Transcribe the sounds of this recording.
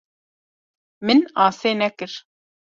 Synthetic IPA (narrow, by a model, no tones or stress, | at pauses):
mɨnɑːseːnɛkɨɾ